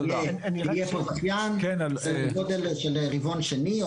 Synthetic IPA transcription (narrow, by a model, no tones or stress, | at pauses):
jeijepozaχjankenɡod̪elʃelʁivonʃeni